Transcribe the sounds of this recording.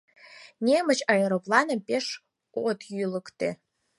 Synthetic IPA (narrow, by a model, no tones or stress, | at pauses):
nʲemat͡ʃʰʼaeɾopʼlanapʲʼeʂ | otʰjlɨkʼtʰʼḛ